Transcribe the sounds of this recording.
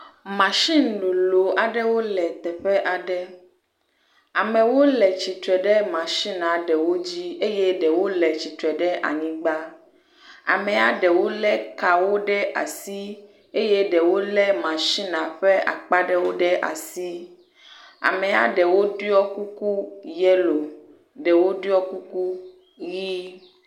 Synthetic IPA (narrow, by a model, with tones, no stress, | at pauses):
mã˨ʃi˦n̩˨˦ɖo˨lo˨a˨ɖɛ˦wo˦lɛ˨t̪ɛ˨ɸɛ˦ʔa˨ɖɛ˦ | a˨mɛ̃˨wo˦lɛ˨t͡ɕi˨t̪ɾɛ˨ɖɛ˦mã˨ʃi˦nã˨ɖɛ˨wo˦d͡ʑi˦e˦jɛ˦ɖɛ˨wo˦lɛ˨t͡ɕi˨t̪ɾɛ˨ɖɛ˦ʔa̰˨ɲĩ˦ɡ͡ba˦ | a̰˨mɛ̃˨a˨ɖɛ˨wo˦lɛ˦ka˨wo˦ɖɛ˦ʔa̰˨si˦ | e˦jɛ˦ɖɛ˨wo˦lɛ˦mã˨ʃi˦nã˨ɸɛ˦a̰˨k͡pa˦ɖɛ˦wo˦ɖɛ˦ʔa̰˨si˦ | a̰˨mɛ̃˨a˨ɖɛ˨wo˦ɖu˦ɔ˦ku˦ku˦jɛ˦lo˨ | ɖɛ˨wo˦ɖi˦ɔ˦ku˦ku˦ | ji˦